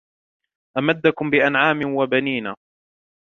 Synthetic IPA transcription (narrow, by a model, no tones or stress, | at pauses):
ʔamad̪ːakʊmbɪʔanʕaːmɪwabaniːnaː